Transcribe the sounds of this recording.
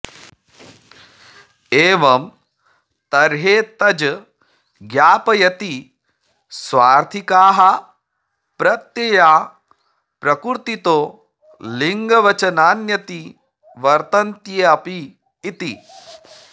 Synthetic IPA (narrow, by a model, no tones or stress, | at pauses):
eːʋɐm | t̪ɐɾɦeːt̪ɐd͡ʒ | ɡjaːpɐjɐt̪i | sʋaːɾt̪ʰikaːɦɐ | pɾɐt̪jɐjaː | pɾɐkuɾt̪it̪oː | liŋɡɐʋɐt͡ʃɐnaːnjɐt̪i | ʋɐɾt̪ɐnt̪jeːɐpiː | t̪i